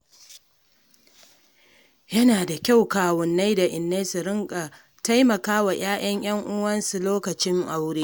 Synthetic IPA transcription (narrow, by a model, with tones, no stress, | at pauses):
jɐ˦naː˨da˨kʲa˦˨wkaː˨wʊ˨nːa˦jda˨ʔɪ˨nːe˦sʊ˨ɾɪ˦ŋkʼa˨ | ta˦jmɐ˨kaː˦wa˨j̰aː˦j̰ʔɐ˦ɲj̰ɐ˦ŋʔʊ˦wɐ˦nsu˨loː˦kɐ˨t͡ʃɪ˦ŋʔa˨wɽeː˦